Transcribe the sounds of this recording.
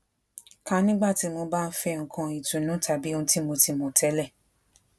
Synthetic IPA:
ka˧˦nĩ˦ɡ͡ba˦˨ti˨˦mo˧ba˦˧n̩˦fɛ˧ŋ̩˨kʰã˧i˨tũ˨nũ˨˦ta˧˦bi˦õ˧˦ti˦mo˧ti˧mo˧tʰɛ˦lɛ˦˨

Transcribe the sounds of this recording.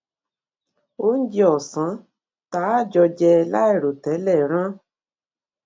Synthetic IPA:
o˦n̩˦d͡ʒi˧ɔ˨sã˨˦ | taː˨˦˨d͡ʒɔ˧d͡ʒɛ˧la˦ɛ˦˨ɾo˨tɛ˨˦lɛ˦˨ɾ̃ã˦

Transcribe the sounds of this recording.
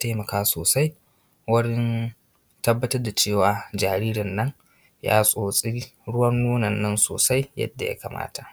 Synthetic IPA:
a˦ta˦jmɐ˨kaː˦soː˨sa˦j | wɐ˦ɽɪ˦n | tɐ˦bːɐ˦tɐ˦rda˨t͡ʃeː˦˨waː˨d͡ʒaː˨ɾiː˦ɾɐ˨nːɐ˦ŋ | ja̰ː˦sʼoː˨sʼiː˦ɽʊ˦wɐ˦nːoː˦nɐ˨nːɐ˦nso̰ː˨sa˦jjɐ̰˦dːa˨ja̰˦ka̰˨mʔa̰ː˦tʰa˨ʔ

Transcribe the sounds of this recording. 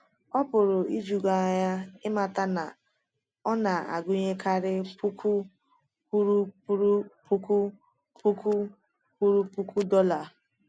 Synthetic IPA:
ɔ˦pʊ˨ɾʊ˨i˦d͡ʒu˨ɡa˨ɲa˦ɪ˦ma˨ta˦na˨ | ɔ˦na˨a̰˨ɡʊ˦ɲe˦kʰa˦ɾɪ˦pu˦ku˦ | pu˦ɾu˦pu˦ɾu˦pu˦ku˦ | pu˦ku˦ | pu˦ɾu˦pu˦ku˦dɔ˦la˨

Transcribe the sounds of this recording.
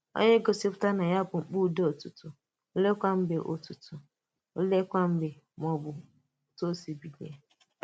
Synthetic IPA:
o̰˦ɲe˦ɡo˨si˦pʊ̥˦ta˦na˨ɲa˦bʊ˨ŋ͡m̩˨k͡pu˦˨de˦o˨tu˨tu˨ | o˦le˦kʷa˦m̩˦be˨ʔo˨tu˨tu˨ | o˦le˦kʷa˦m̩˦be˨ | mɔ˨bʊ˨ | to˦si˨bi˨de˨˦˨

